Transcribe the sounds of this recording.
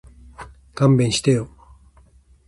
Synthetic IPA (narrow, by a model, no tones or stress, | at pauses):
kãmbẽɰ̃ɕi̥t̪ejo